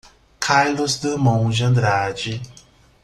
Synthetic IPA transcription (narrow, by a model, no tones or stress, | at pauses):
kʰaɾlʊzd̪əmõw̃d͡ʒɐ̃nd̪ɾad͡ʒi